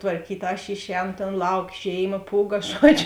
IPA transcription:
tʋɐrʲˈkʲiːtʲ ɐʃ ˈɪʃʲˌɛːnoː tʲeːn ˈlˠɐʊk ˈʒʲeːɪˌmɐ ˈpuːˌɡɐ ˈʒuɔd͡ʒʲʊ

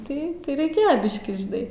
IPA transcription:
tɐɪ ˈtɐɪ rʲɛɪˈkʲeːjoː ˈbʲɪʃʲkʲiː ʒʲɪˈnɐɪ

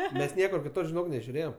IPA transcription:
ˈmʲɛs ˈnʲiɛkʊr kʲɪˈtʊr ʒʲɪˈnoːk nʲɛʒʲʊˈrʲeːjɛm

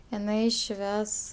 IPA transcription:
ɪˈnɐɪ ˈʃʲʋʲɛs

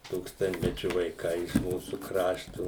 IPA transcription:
ˈtuːkstɐnʲtʲmʲɛt͡ʃʲʊ ʋɐɪˈkɐɪ ɪʃ ˈmuːsuː ˈkrɑːʃtʊ

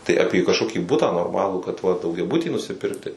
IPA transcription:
tɐɪ ɐpʲiɛ kɐʃˈkoːkʲiː ˈbʊtɑː noːrˈmɑːlˠuː kɐt ʋɐ dɐʊɡʲɛˈbʊtʲiː nʊsʲɪˈpʲɪrktʲɪ

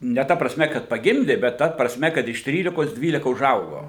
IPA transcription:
nʲɛ ˈtɐ prɐsʲˈmʲɛ kɐt pɐˈɡʲɪmʲdʲeː bʲɛt ˈtɐ prɐsʲˈmʲɛ kɐt ɪʃ ˈtʲrʲiːlʲɪkoːs ˈdʲʋʲiːlʲɪkɐ ʊˈʒɐʊɡoː

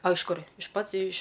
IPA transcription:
ɐ ɪʃ ˈkʊrʲ ɪʃ ˈpɐt ɪʃ

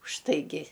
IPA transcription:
ʊʃtɐɪˈɡʲɪ

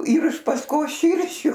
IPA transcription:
iːr ɪʃ pɐsˈkoːs ˈʃʲiːrʲʃʲʊ

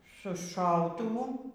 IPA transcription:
sʊ ˈʃɐʊtʊʋʊ

